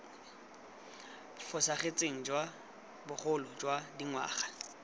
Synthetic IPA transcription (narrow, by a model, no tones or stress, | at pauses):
fʊsaχet͡sʼeŋ̩d͡ʒwa | bʊχʊlʊd͡ʒwadiŋwa̰ːχḁ